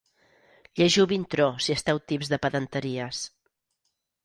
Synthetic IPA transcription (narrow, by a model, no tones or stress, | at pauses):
ʎeʒiwβint̪ɾosiəst̪ɛwt̪ipzðəpəðənt̪əɾiəs